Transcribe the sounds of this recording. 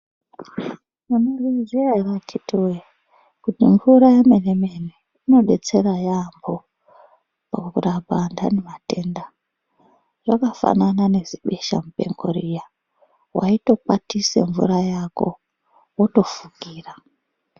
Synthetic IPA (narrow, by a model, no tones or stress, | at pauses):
munorizearatitiwe | kutiɱvuɾajemenemene | ino̞ɗe̞t͡se̞rajambo̞ | pakukurabʱanda̰nemate̞nda | ʐakafa̰nanane̞ziɓe̞ʃa̰mupe̞̰ŋɡo̰ɾija | wa̰ito̞patisḛɱvṵɾajako̞̰ | woto̞fuɡʱiːra